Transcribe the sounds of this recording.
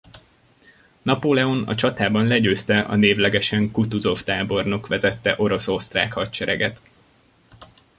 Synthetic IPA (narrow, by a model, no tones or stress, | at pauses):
nɒpoːlɛo̞nɒ̰t͡ʃɒt̪aːbɒnlɛɟøːst̪ɛʔɒ̰neːvlɛɡɛʃɛŋkut̪uzo̞ft̪aːbo̞rno̞kʋɛzɛt̪ːɛʔo̞ɾo̞so̞st̪ra̰ːkhɒtt͡ʃɛɾɛ̰ɡɛt̪